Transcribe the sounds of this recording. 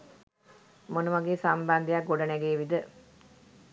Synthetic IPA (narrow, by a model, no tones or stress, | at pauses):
monuʋaɡeːsamband̪ijak̚ɡoɖənɛɡeːʋid̪ə